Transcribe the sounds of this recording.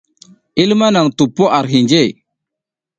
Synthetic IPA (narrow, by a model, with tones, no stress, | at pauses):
i˦lma˦na˨ŋtu˨pːo˦ʔa˨ɾɦi˨nd͡ʒe˦˨